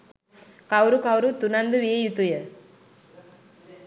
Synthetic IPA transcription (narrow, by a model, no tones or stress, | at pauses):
kawɾukawɾut̪unand̪uʋiejut̪ujə